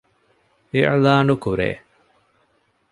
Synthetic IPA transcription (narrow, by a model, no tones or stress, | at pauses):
eʔa̰laːɳɖukuɾḛː